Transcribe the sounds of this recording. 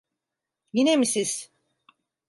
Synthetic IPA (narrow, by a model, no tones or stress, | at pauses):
jinemisiz̥